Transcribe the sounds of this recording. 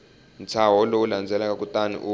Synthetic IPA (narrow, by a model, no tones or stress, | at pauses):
n̩t͡sʰaɦɔlowuland͡zʱɛlak̬ak̬ʼutʼanḭʔu